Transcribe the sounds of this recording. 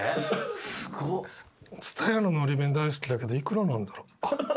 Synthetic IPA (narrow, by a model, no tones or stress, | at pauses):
t͡sɨ̥t̪ʰajanonoːɾʲibẽnd̪ais̬ɨ̥kʲid̪ake̞d̪oikɯ̟ɾonãnd̪aɾo